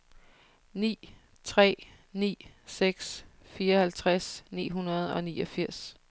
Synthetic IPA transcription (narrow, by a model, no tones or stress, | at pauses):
nḭː | t͡sʰʁɛ̰ː | nḭːseɡ̥s | fiːɐɒhælt͡sʰʁasnḭːɦunɐð̞ˠɒ̽nḭːɒ̽fiɐ̰s